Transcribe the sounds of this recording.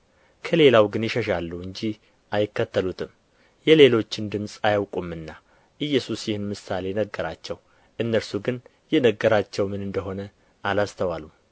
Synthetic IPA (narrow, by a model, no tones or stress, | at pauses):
kʰəle̞lawɡɨnjɪʃəʃalːuɨɲd͡ʒi | ʔajɪkːət̪ʰːəlut̪ʰɨm | jɛle̞lo̞t͡ʃːɪnd̪ɨmsʼajawkʼumɨnːa | ʔɨjːɛsusjɪhɨnmɨsale̞nəɡːəɾat͡ʃːɛw | ʔɨnːəɾsuɡɨn | jɛnəɡːəɾat͡ʃːɛwmɨnɨnd̪əɦo̞nə | alast̪ʰəwalu